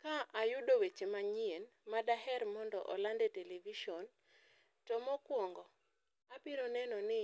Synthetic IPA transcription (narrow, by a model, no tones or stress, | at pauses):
kaʔajʊdowet͡ʃemaɲienmadaɦɛrmɔndɔ̰ʔɔ̰landeteleviʃɔn | tɔmɔkwɔŋɡɔ | apɪɾɔnɛnɔnɪ